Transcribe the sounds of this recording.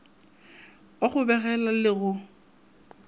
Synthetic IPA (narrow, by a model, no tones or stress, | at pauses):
oχʊbɛɣɛlalɪɣʊ